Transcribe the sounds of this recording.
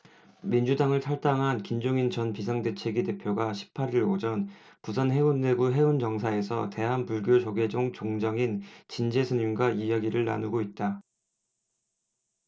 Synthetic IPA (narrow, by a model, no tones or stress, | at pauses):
mind͡ʑudaŋɯɭtʰaɭt͈aŋɦankind͡ʑoŋint͡ɕʌnpisʰaŋde̞t͡ɕʰe̞ɡide̞pʰjoɡaɕʰi̥p̚ʰaɾiɾod͡ʑʌn | pusʰanɦe̞unːe̞ɡuɦe̞und͡ʑʌŋsʰae̞sʰʌ̰te̞ɦanpuɭɡjod͡ʑoɡe̞d͡ʑoŋt͡ɕoŋd͡ʑʌŋint͡ɕind͡ʑe̞sʰɯɲinɡwaijaɡiɾɯɭna̰nuɡoit̚t͈a